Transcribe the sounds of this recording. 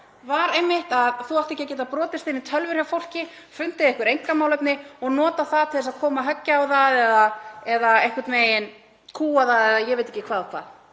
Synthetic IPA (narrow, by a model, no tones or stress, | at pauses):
vaɾejmːɪht̪aðθuawht̪ecːacɛːt̪̬apɾɔːt̪ɪst̪ɪnːɪt̪ʰœlvʏɾ̥jawfowl̥cɪ | fʏn̥t̪ɪðɪhkvʏɾejŋkamawlœpnɪɔɣnɔːt̪aθaðt̪ʰɪlɪsaðkʰɔːmaɦœcːaawðaðɛðaɛðaehkvʏɾt̪meːjɪn | kʰuːaðaðɛðajɛɣvejt̪e̥cːɪ̥kʰvaːðɔkʰva̰ːð